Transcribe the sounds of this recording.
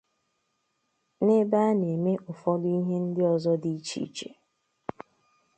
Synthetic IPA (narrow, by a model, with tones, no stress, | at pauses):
ne˦baː˦ne˨me˦ʔʊ˨fɔ˦dʊ˦i˦ɦe˦n̩˦dɪ˦ɔ˨zɔ˦di˨i˦t͡ʃḭ˦t͡ʃḛ˨